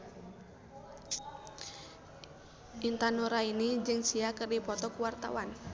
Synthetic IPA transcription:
ʔint̪anoɾainid͡ʒɨŋsiakɨrdipɔt̪ɔkuwart̪a̰wan

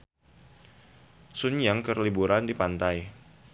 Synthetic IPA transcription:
sunjaŋkərlibuɾandipant̪aj

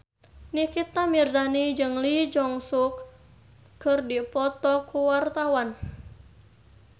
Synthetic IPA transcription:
nikit̪amirzanid͡ʒɨŋlid͡ʒɔŋsukː | ɨrdipɔt̪ɔkuwart̪awan

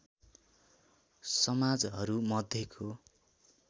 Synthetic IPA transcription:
sʌmad͡zɦʌɾumʌd̪ʱjekʰo

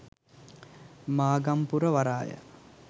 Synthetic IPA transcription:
maːɡɐmpuɾɐʋɐɾaːjə̰

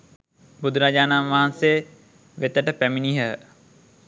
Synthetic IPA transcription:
bud̪ʱuɾad͡ʒaːnanʋaɦanseː | ʋet̪əʈəpæminiɦə

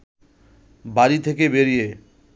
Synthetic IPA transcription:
baɾit̪ʰekebeɾije

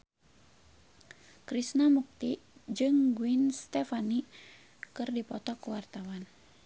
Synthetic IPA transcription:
kɾisnamuk̚t̪id͡ʒɨŋɡuinst̪ɛfani | kɨrdipɔt̪ɔkuwart̪awan

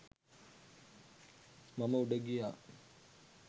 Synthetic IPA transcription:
maməuɖəɡija

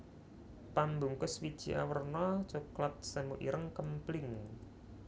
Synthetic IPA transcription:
pambuŋkʊswid̥ʒ̥i̤ʔa̰wərnɔt͡ʃuklat̪̚səmuʔḭɾəŋkəmplɪŋ

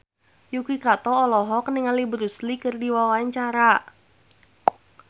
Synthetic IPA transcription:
jukikat̪ɔːlɔɦɔk̚niŋalibəɾuslikɨrdiwawaɪɲt͡ʃaɾa

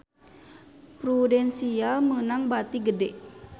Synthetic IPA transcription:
pɾudɛnsialmənaŋbat̪iɡədɛʔ

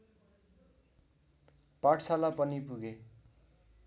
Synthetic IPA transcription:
paʈʰsalapʌnipuɡe

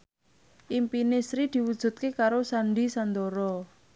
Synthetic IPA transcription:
ʔimpinɪsɾid̪̥i̤wud̥ʒ̥ṳt̪̚kekaɾosaɳɖisand̪oɾɔ

